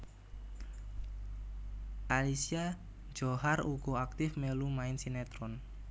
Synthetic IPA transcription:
ʔalisia | d͡ʒoɦaruɡ̥oak̚t̪ɪfmelumaɪnsinɛt̪ɾɔn

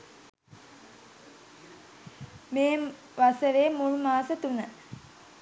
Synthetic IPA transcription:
meː | ʋasəʋeːmuɻmaːsət̪unə

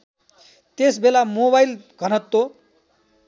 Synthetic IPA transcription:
t̪esbelamoβajlɡʱʌnʌt̪ːo

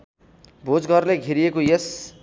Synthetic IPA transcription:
bʱod͡zɡʱʌrleɡʱiɾijekojes

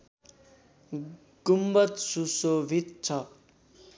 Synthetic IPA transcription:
ɡ̥umbʌt̪susobʱit̪̚t͡sʰʌ

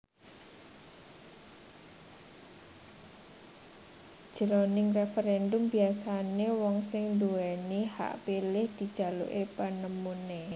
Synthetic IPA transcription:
d̥ʒ̥ə̤ɾonɪŋrɛfɛɾɛnd̪ʊmbiasanewɔŋsɪŋnd̪uɛniha̰ʔpilɪhd̪̥i̤d̥ʒ̥a̤lṵʔepanəmune

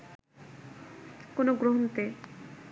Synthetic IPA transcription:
konoɡɾoɦont̪e

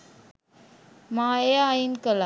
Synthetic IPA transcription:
mãːeainkəla

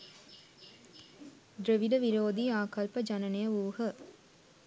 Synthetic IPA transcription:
d̪ɾeʋiɖəʋiɾoːd̪iaːkɐlpəd͡ʒanɐnejəʋuːhə

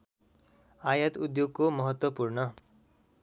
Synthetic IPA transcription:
ajʌt̪ud̪joɡkomʌɦʌt̪wʌpuɾnʌ

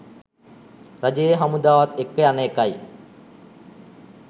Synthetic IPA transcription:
ɾad͡ʒejəɦamud̪aːʋat̪ekːəjanəekaj

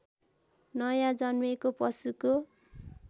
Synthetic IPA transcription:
nʌjãd͡zʌnwekopʌsuko

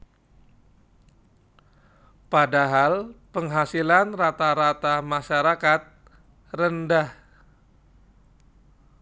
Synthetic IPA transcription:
padaɦalpəŋɦasilanrat̪aɾat̪amaʃaɾakat̪̚ | rəndah

